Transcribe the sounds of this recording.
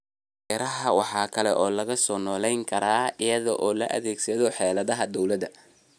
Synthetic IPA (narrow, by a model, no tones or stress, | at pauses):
ɛɾɐɦɐwɑħɑːkʰɐlɛʔɔːlɐɣɐsɔːnɔːlɛjŋkʰɐɾaːɪjɐðɔʔɔːlɐ̰ʔɐ̰ðɛːɡsɐðɔħɛːlɐðɐɦɐd̪ɔwlɐd̪ɐ